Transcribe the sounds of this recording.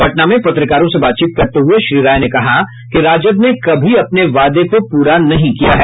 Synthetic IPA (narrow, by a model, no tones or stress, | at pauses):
bɐʈnamẽpɐt̪ɾɪkaːɾõsebaːt̪̚t͡ʃiːt̪̚kɐɾt̪eɦueʃɾiːɾaːjnekɐɦa | kiɾaːd͡ʒəbnekɐbʱiɐpneʋaːd̪ekopuːɾanɐɦĩkija̰ɦɛː